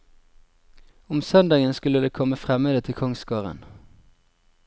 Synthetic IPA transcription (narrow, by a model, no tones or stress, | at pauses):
ʊmsœnd̪ɑːɡənskʉləd̪eːkʰɔməfʁɛməːd̪ət̪ʰɪlkʰɔŋskɑːʁə̰n